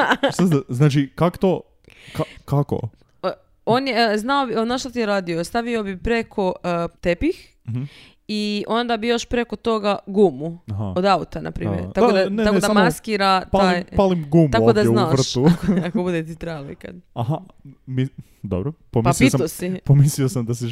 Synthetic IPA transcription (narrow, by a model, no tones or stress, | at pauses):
saznaːt͡ʃikakt̪o | kakako̰ | onjeznaobionaːʃt̪ot̪ijeɾaːd̪iost̪aʋiobipɾe̞kʰo̞t̪epix | io̞nd̪abijoʃpɾe̞ko̞t̪o̞ɡaɡumuɦaod̪aut̪anʔa̰pɾḭːmj̰ɾakod̪aneakod̪aamaskiɾat̪ajpalimɡumuaokod̪aznaːr̩ʃtuakobud̪et̪it̪ɾejaloika̰d̪̥aɦa | mi | d̪o̰bɾopompiaspososiomisliosamd̪asi